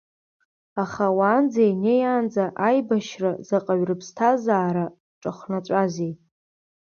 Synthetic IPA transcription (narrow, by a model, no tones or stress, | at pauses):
aχawaːnd͡zajnejaːnd͡zaʔajbaʃrazaqʼaɥrɨpʰstʰazaːɾa | ʈ͡ʂʼaχʷnat͡ʃʷʼazejʼ